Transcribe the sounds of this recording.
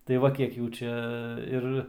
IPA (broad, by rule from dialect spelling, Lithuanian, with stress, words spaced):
tɐɪ ˈʋɐ ˈkʲiɛk ˈjuː ˈt͡ʃʲɛ ˈɪr